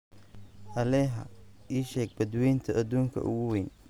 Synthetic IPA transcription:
ʔɐlɛːɦɐ̰iːʃɛːɡ̚bɐd̪wɛjnt̪ʰɐʔːd̪uːŋkʰɐ̰ʔʊ̰ɣʊwɛːn

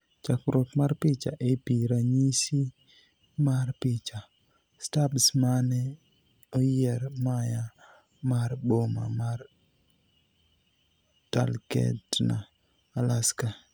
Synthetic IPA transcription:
t͡ʃakɾot̪marpɪt͡ʃa̰ʔepiɾaɲisi | marpɪt͡ʃa | stabsmanɛ | ojɛɾmaja | marboma̰mar | ta̰lkɛ̰tnaː | laska

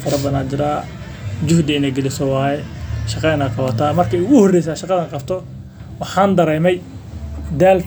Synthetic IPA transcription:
fɐɾɐbɐnaːd͡ʒɪɾaː | d͡ʒʊhd̪ɐɪnɛːjɡɛlɪsɔwɑːjɛʃɑqɑɪnaːqʰɑwɐt̪ʰaːmɐrkʰɐjʊɣʊhɔrːɛjsaːʃɑqɑðɐːqɑbt̪ʰɔ | wɑħɑːnd̪ɐɾɛjmɛj | d̪aːl

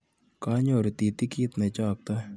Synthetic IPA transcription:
kaːɲoːɾt̪iːt̪ikit̪net͡ʃaːk̚t̪a

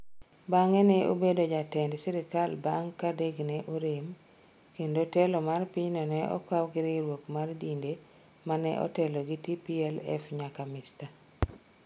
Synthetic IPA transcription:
baŋɛnɛʔo̰bedod͡ʒatɛndsiɾikalbaŋkːadeɡnɛʔoɾem | kendotɛlomarpiɲnɔnɛʔɔ̰kawɡɪɾɪɾwokmardindemanɛ̰ʔɔ̰tɛloɡitipiɛlɛ̰fɲakamɪsta

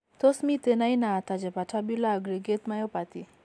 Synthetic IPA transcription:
t̪osmit̪enajnaːt̪ad͡ʒepaʈʰabilaəɡɾiɡet̪majopat̪i

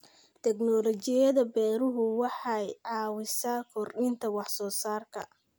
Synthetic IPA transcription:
t̪ʰɛɡnɔlɔt͡ʃɪjɐðɐbɛːɾʊɦʊwɑħɑjʕɑːwɪsaːkʰɔrɗɪnt̪ʰɐwɑħsɔːsaːrkʰɐ̰

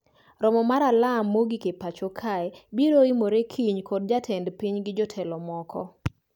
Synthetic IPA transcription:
ɾɔmɔmaɾalamːoɡikepat͡ʃokʰaɛbiɾoimoɾekʰiɲkɔd̚d͡ʒatʰɛndpiɲɡɪd͡ʒɔtʰɛlɔmɔkɔ̰

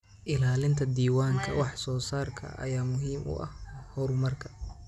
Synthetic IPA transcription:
ʔɪlaːlɪnt̪ʰɐd̪iːwaːŋkʰɐ̰wɑħsɔːsaːrkʰɐ̰ʔɐ̰jaːmʊɦiːmʔʊ̰ʔɐ̰hhɔɾmɐrkʰɐ̥

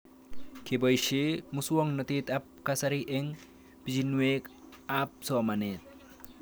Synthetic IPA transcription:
kɪbɔjʃeːmʊsʊwɔŋnɔt̪iːt̪ʼɐpkɐsɐɾiʔeŋ | b̥ɪd͡ʒɪnːʊeːkaːp̚soːmɐneːt̪

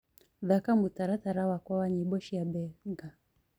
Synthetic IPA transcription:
ðakamutaɾataɾawakwawaɲiɓɔʃijabɛɡa

